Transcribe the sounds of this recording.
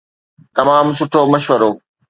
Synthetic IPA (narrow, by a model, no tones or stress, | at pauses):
t̪ɐmaːmsʊʈʰoːmɐʃʋəɾoː